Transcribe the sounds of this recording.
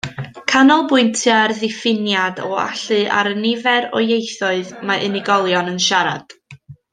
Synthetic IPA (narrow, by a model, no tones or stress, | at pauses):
kʰanɔlˠbʊɨntʰɨarðɪfɪnjadɔa̰ɬɨʔa̰ɾənɪvɛɾɔ̰jejθɔɨðmaʔɪnɪɡɔlˠjɔnənʃaɾa̰d̥